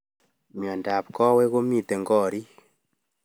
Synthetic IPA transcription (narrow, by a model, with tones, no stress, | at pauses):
mjɔ˨nda˨p̚kɔ˦wɛ˦ɣo˦mi˦˨tɛ˨ŋɡɔ˦˨ɾi˦